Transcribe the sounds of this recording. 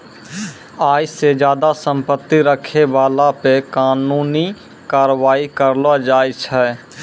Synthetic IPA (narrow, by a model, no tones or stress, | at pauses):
aːjsed͡ʒjaːd̪asə̃mpət̪ːiɾəkʰeʋaːlapekaːnuːni | kaːɾʋaːikəɾlad͡ʒaːjt͡ʃʰɛ